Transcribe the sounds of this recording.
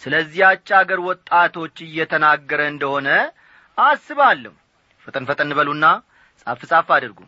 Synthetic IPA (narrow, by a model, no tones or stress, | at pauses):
sɨləzːihat͡ʃːaɡəɾwɔt̪ʼːat̪ʰo̞t͡ʃːɨjːɛt̪ʰənaɡːəɾəɨnd̪əho̞nə | asːɨβalːəhu | fət̪ʼɨnfət̪ʼɨnɨβəlunːa | sʼafɨsʼafad̪ɨɾɡṵm